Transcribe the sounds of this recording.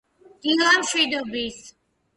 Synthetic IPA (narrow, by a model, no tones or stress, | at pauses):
d̪̥ilˠamʃwid̪ɔbɾis